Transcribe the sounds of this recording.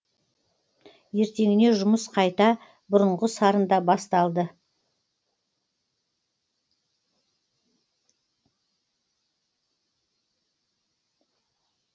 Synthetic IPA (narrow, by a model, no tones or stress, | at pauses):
je̞ɾt̪e̞ŋɪne̞ʒʊməsqʰɑjt̪ɑ | bʊɾʊɴʁəsɑɾənd̪ɑbɑst̪ɑlˠd̪ə